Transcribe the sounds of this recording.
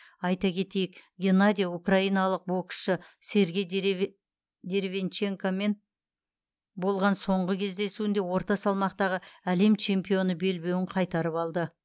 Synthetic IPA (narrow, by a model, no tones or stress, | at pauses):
ɑjt̪ɑkʲʰe̞t̪e̞jɪkɡʲenad̪ʲijaukrɑijnɑlˠəq̚bokʃəse̞ɾɡʲe̞j | d̪e̞ɾvʲe̞nt͡ʃe̞ŋkome̞n | bo̞lˠʁɑnso̞ɴʁəkʲʰe̞zd̪e̞suɪnd̪e̞wo̞ɾt̪ɑsɑlˠmɑqt̪ɑʁəæle̞mt͡ʃʰe̞mpijo̞nəbe̞lbe̞wɪɴqʰɑjt̪ɑɾəpɑlˠd̪ə